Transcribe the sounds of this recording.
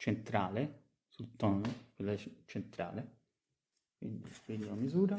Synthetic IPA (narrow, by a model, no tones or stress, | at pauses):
t͡ʃent̪ɾaːle | sult̪ɔːnokwelːat͡ʃent̪ɾa̰ːle | kwḭnd̪ḭfeːd̪ilamizuːɾa